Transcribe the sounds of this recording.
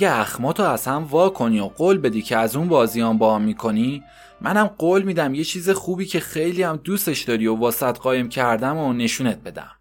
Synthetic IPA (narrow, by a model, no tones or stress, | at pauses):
æɡeæxmɒːt̪ʰoæz̥hæmvɒːkʰo̞nioɢoːlbe̞d̪iːcʰeæzunbɒːzijɒmbɒːæmːikʰo̞ni | mænæmɢoːlmiːd̪æmje̞t͡ʃʰiːzexuːbiːcʰe̞xe̞jliæmd̪ust̪e̞ʃd̪ɒːɾiovɒːsæt̪ɢɒːjemcʰæɾd̪æmone̞ʃuːnet̪̚be̞d̪æ̰m